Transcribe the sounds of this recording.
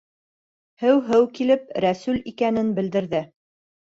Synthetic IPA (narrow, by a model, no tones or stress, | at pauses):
hɘwɦɘwkilɘpɾæsʉlikænɘnbɘ̆ld̪ɘ̆ɾðɘ